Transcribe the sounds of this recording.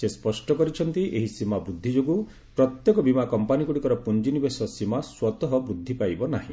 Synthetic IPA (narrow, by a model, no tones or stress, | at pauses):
sespɔsʈɔkɔɾit͡ʃʰɔnt̪iʔeɦisimabɾud̪ʱːid͡ʒoɡu | pɾɔt̪jekɔbimakɔmpanikuɽikɔɾɔpund͡ʒinibesɔsimaswɔt̪ɔɦɔbɾud̪ʱːipajbɔnaɦĩ